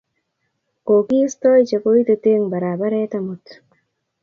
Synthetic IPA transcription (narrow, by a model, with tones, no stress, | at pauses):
ko˨ki˦stɔ˦jt͡ʃe˨ko˦i˦t̪e˨te˦ŋba˨ɾaː˨ba˦ɾɛ˦tamut